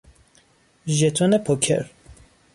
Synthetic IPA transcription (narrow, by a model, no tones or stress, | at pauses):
ʒɛt̪ʰɔnɛpʰɔkʰɛ̰ɾ